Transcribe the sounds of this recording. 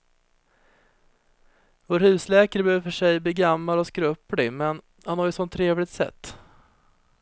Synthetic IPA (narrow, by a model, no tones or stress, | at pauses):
voːɾhʉ̟ːslɛːkaɾəbœːvfœʂɛjbliːɡamːalɔskɾɵpɽɪmɛn | hanhaɾjəsɔnt̪ʰːɾeːvlɪɡt̪sɛ̰t̪ː